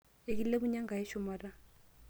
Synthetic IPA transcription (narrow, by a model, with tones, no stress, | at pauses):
e˨k̬i˦lle˦bʊ˦ɲa˦ŋɡa˨ɛ˦ʃɔ˦mara˦